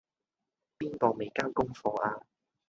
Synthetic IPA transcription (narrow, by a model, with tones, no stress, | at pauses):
piː˥nt̪ɔː˨˧˩me˨˩jkaː˥wkʊ˥ŋfɔː˧ʔaː˧